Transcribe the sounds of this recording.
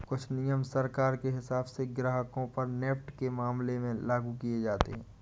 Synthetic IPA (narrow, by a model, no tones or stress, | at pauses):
kʊt͡ʃʰnɪjəmsəɾkaːɾkeɦɪsaːbseɡɾaːɦəkõpɐɾneːpʈkemaːmlemẽlaːɡukied͡ʒaːt̪ḛɦɛ̃ː